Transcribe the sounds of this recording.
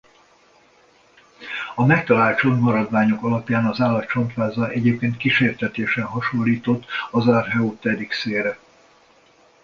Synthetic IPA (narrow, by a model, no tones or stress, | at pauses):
ɒmɛk̚t̪ɒlaːlt̪t͡ʃo̞nmɒɾɒd̪ʋaːɲo̞kɒlɒpjaːnɒzaːlːɒt̪t͡ʃo̞nt̪ʋaːzɒʔɛɟeːp̚keːnt̪kiʃeːrt̪ɛt̪eːʃɛnɦɒʃo̞lːiːt̪o̞t̪ːɒzarɦɛoːt̪ɛd̪ikseːɾɛ